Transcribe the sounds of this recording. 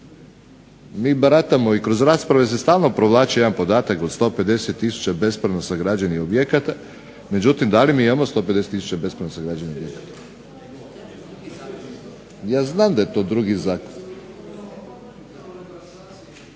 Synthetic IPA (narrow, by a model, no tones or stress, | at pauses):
miːbaɾat̪amoikɾo̞zɾaːspɾaʋe̞s̬est̪aːlˠno̞pɾoʋlˠaːt͡ɕejeanpo̞d̪aːt̪akod̪st̪o̞pe̞d̪eset̪ːisu̥t͡ɕabe̞spɾanosaɡɾad͡ʑaniobjekat̪a | me̞d͡ʑut̪imd̪alimiimamost̪o̞ped̪e̞set̪ːisu̥t͡ɕabe̞spɾanosaɡɾad͡ʑaniobjekḁt̪ḁ | jaːznaːmd̪ajet̪o̞d̪ɾuɡizaːko